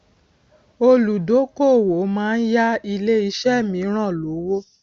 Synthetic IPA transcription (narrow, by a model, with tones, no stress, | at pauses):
o˧lu˨do˨˦ko˦˨wo˨˦mãː˦˧n̩˦ja˦i˧le˦i˧˦ʃɛ˦˨mĩ˨˦ɾ̃ã˦˨lo˨˦wo˦